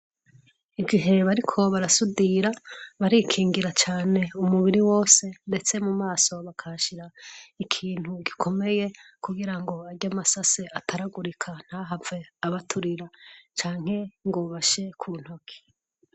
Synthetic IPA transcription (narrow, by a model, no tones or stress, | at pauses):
iɡiɦe̞βaɾikʰo̞βaɾasudiɾaβaɾikʰiːŋɡiɾat͡ʃaːne̞umuβiɾiwo̞ːse̞nde̞t͡se̞mumaːso̞βakʰaʃiɾaikʰiːn̥huɡikʰo̞me̞je̞ | kuɡiɾaŋɡo̞aɟamasaseatʰaɾaɡuɾikʰan̥haːɦave̞aβatʰuɾiɾat͡ʃaːŋ̥he̞ŋɡoβaʃe̞kʰuːn̥hokʰe̥